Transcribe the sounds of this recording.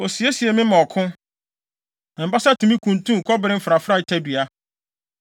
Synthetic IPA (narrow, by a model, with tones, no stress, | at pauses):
o˨si˨e˦si˨e˨mɪ̃˦mɔ̃˨kʰʊ̃˦˨ | m̩˨ba˦sa˦tʰũ˨mĩ˦kʰũ˨ntʰũ˦˨kʰɔ˦bɪ˨ɾɪ̃˦m̩˦fɾa˨fɾa˦˨tʰɛ˦dɥa˦